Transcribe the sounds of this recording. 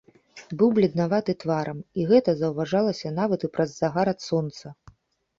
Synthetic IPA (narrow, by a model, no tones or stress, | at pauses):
bɨwblʲɛd̪navat̪ɨt̪vaɾʔɐmiɣɛt̪ɐzɐwvaʐalˠɐsʲɐnavɐt̪ɨpɾɐzːaɣaɾɐt̪sɔnt̪sɐ